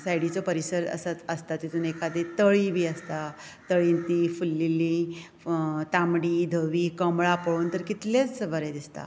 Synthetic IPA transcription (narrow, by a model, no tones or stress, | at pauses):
sajɽit͡sopəɾisəɾə̰saəst̪at̪it̪uːnekʰad̪et̪əɭibʱiːəst̪a | t̪əɭint̪ifulːilĩ | t̪amɽiːd̪ʱəʋiːkəmɭapəɭuːnt̪əɾkit̪let͡sʋəɾed̪ist̪a̰